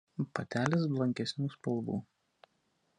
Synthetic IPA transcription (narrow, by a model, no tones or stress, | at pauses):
pɐt̪ʲæːlʲɪs̬blˠɐŋʲkʲɛsʲnʲuːspɐlˠbṵː